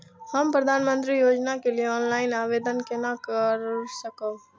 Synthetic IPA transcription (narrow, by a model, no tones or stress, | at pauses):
həmpɾəd̪ʱaːnmə̃nt̪ɾijoːd͡ʒnakelijeɔːnlaːɪnaːʋeːd̪ənkenakəɾsəkoː